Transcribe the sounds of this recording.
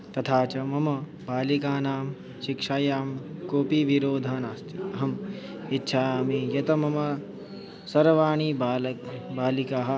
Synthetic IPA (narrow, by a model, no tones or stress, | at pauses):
t̪ɐt̪ʰaːt͡ʃɐmɐmɐ | baːlikaːnaːm | ʃɪkʂaːjaːmkoːpiːʋiɾoːd̪ʱaːnaːst̪iɐɦɐm | itːʃʰaːmijɐt̪ɐmɐmɐ | sɐɾʋaːɳ̃iːbːlbaːlikaːɦɐ̆